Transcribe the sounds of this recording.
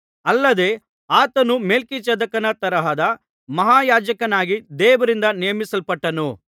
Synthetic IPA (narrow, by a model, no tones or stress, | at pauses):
ɐlːɐd̪e̞ː | aːt̪ɐnumeːlkit͡ʃɐd̪ɐkɐnɐt̪ɐɾɐɦɐd̪ɐ | mɐɦaːjaːd͡ʒɐkɐnaːɡid̪ɛːʋɐɾind̪ɐnijɐmisɐlpɐʈːɐnu